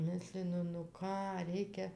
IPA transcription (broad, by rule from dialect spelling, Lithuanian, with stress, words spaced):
ˈmʲɪsʲlʲɪnʊ nʊ ˈkɑː ˈrʲɛɪkʲɛ